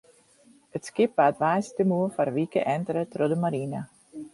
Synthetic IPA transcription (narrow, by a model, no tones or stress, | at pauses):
ətskɪpatʋajstəmuəfarʋikə̰ʔɛntəɾətrodəmaɾinə